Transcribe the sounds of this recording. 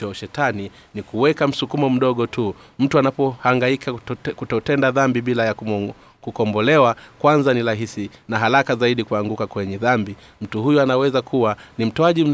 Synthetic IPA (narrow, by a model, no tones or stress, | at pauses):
ɔʃɛtani | nikuwɛkam̩sukumɔm̩ɗɔɠɔtʰum̩tuanapɔhaŋɡaikʰakutɔtɛndaðambiɓilaja | kukɔmbɔlɛwakwanzaniɾaɦisinaɦaɾakazaiɗikuaŋɡukakwɛɲɛðambi | m̩tuhujɔanawɛzakʰuwanim̩tɔaʄim̩